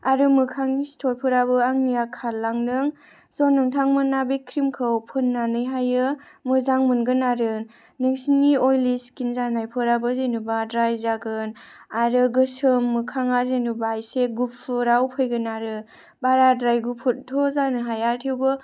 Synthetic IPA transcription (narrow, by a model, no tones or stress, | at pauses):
aɾɯmɯkʰaŋistʰɔɾpʰɯɾabɯaŋnijakʰalːaŋdɯŋ | sɔnɯŋtʰaŋmɯnːabekʰɾimkʰɯwpʰɯnːanɯjɦajɯ | mɯzaŋmɯnɡɯnaɾɯ | nɯŋsiniojliskinzanajpʰɯɾabɯzenubadɾajzaɡɯnaɾɯɡɯsɯmːɯkʰaŋazenubajseɡupʰɯɾawpʰɯjɡɯnaɾɯ | baɾadɾajɡupʰut̚tʰɔzanɯɦajaɾtʰiwbɯ